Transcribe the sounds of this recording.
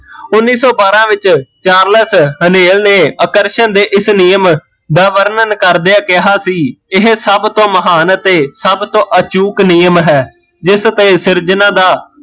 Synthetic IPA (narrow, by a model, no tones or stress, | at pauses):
ʊnːiːsɔːbaːɾãːʋɪt͡ʃt͡ʃaːɾləsɦəneːlneːəkəɾʃənd̪eːʔɪsniːəm | d̪aːʋəɾnənkəɾd̪eaːkɪɦaːsiːɪɦsəbt̪õːməɦaːnt̪eːsəbt̪õːʔət͡ʃuːkniːjəmɦɛː | d͡ʒɪst̪eːsɪɾd͡ʒənãːd̪aː